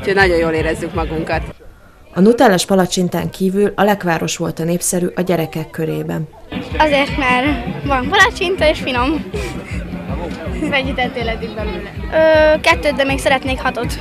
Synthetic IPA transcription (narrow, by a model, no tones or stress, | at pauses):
uchoɟnɒɟo̞joːleːɾɛzːykmɒɡuŋkɒt̪ | ɒnut̪ɛlɛʃpɒlɒt͡ʃint̪aːŋkʰiːvylɒlɛkʋaːɾo̞ʃʋo̞lt̪ɒneːpsɛɾyːʔɒɟɛɾɛkɛkːø̞ɾeːbɛnɒzeːrt̪mɛrvɒmpɒlɒt͡ʃint̪ɒeːʃfino̞m | mɛɟːyt̪ɛt̪elɛd̪iŋbɛnylɛøːkɛt̪ːøːd̪ɛmeːksɛɾɛt̪neːkhɒt̪o̞t̪